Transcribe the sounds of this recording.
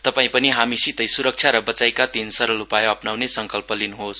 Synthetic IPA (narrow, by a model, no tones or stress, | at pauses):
t̪ʌpaĩpʌniɦamisit̪ʌjsuɾʌk̚t͡sʰjaɾʌbʌt͡sajkat̪insʌɾʌlupajʌpnawnesʌŋkʌlpʌlinuɦos